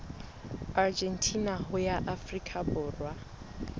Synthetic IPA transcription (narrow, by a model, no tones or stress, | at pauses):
ard͡ʒɛntʰʼinaɦʊjaʔafrikʼʰabʊːrwa